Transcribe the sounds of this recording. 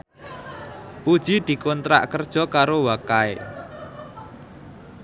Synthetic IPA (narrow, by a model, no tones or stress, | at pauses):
pud̥ʒ̥id̪̥i̤kɔnt̪ɾa̰ʔkərd̥ʒ̥ɔ̤kaɾowakae